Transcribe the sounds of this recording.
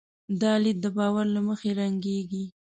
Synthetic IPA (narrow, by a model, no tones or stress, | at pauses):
d̪ɑlid̪̚d̪əbɑwaɾlaməxeɾaŋɡeɡi